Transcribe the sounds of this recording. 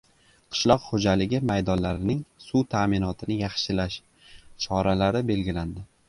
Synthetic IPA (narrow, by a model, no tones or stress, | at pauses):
qʰɨ̥ʃlˠɒqhod͡ʒalɪɡʲɪmajd̪ɒnlaɾɪnɪŋsut̪ʰamɪnɒt̪ʰɪnɪjɑχʃɪlaʃ | t͡ʃʰɒɾalaɾɪbe̞lɡʲɪland̪ɪ